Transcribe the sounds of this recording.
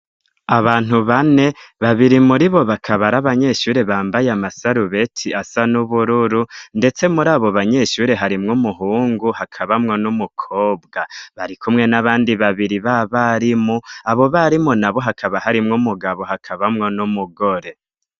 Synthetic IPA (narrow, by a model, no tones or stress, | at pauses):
aβaːn̥uβane̞βaβiɾimuɾiβo̞βakʰaβaɾaβaɲe̞ʃuːɾe̞βaːmbajamasaɾuβe̞tʰiasanuβuɾuɾunde̞t͡se̞muɾaːβo̞βaɲe̞ʃuːɾe̞ɦaɾimŋumuɦuːŋɡuhakʰaβamŋo̞numukʰo̞ːbɡaβaɾikʰumŋe̞naβaːndiβaβiɾiβaβaɾimuaβo̞βaɾimunaβo̞ɦakʰaβahaɾimŋumuɡaβo̞hakʰaβamŋo̞numuɡo̞ɾe̞